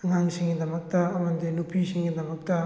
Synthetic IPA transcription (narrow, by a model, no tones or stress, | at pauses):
ɐŋaŋsiŋɡid̪ɐmɐk̚t̪aɐmɐnd̪enupʰisiŋɡid̪ɐmɐk̚t̪a